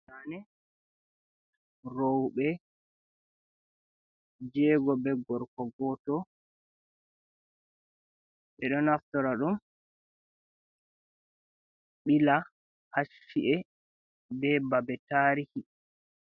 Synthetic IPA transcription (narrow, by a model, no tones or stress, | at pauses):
anɛ | ɾowɓɛ | d͡ʒɛːɡɔbɛɡɔɾkɔɡɔːtɔ | ɓɛɗɔnaftɔɾaɗum | ɓila | haʃiʔɛ | bɛbabɛtaɾihi